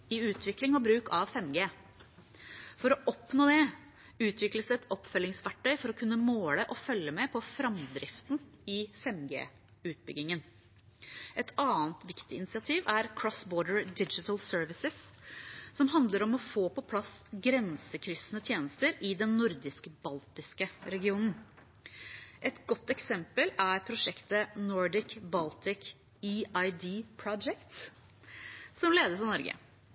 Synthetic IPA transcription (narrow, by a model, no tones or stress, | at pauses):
ɪʉːt̪ʰʋɪklɪŋɔbɾʉːkɑʋfɛmɡeː | fɔɾɔʔɔpnoːd̪ɛ | ʉːt̪ʰʋɪkləsɛt̪ɔpːfœlɪŋsʋæʈːœʏfɔɾɔkʰʉnːəmoːləʔɔfœljəmɛpʰɔfɾɑmd̪ɾɪft̪n̩ɪfɛmɡḛː | ʉːt̪̚bʏ̰ɡɪŋən | ɛt̪ʰɑːnt̪ʋɪkt̪ɪɪnɪsɪɑt̪ʰiːʋæɾkʰɾɔsbɔːɖəɹd̪ɪd͡ʒɪt̪əlsøːɹʋɪsɪs | sɔmɦɑnd̪ləɾɔmɔfoːpɔpʰlɑsɡɾɛnsəkʰɾʏsənət̪ʰjeːnəst̪əɾɪd̪ɛnːʊɾd̪ɪskbɑlt̪ɪskəɾɛɡɪuːnn̩ | ʔɛt̪ɡɔt̪ːɛksɛmpəlæɾpʰɾʊʂɛkt̪ənɔɹɖ̪ɪkbɑlt̪ɪk | iɑɪd̪iːpʰɹɔd͡ʒɛkt̪ | sɔmleːd̪əsɑnɔɾɡə̰